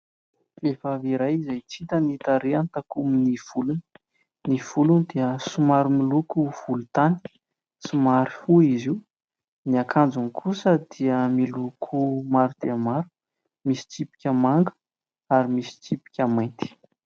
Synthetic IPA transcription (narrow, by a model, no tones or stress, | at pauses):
vefaviɾajizajt͡sit̪ənit̪aɾeant̪akuminiv̥uluni | niv̥ulunid̪iəsumaɾumilukuv̥ulut̪ani̥ | simaɾifuizi | niakʰand͡zunikʰusəd̪̥iəmilukʰumaɾud̪̥eamaɾu̥ | misi̥t͡sipi̥kʲəmaŋɡə̥ | aɾimisi̥t͡sipi̥kʲəmajnt̪i̥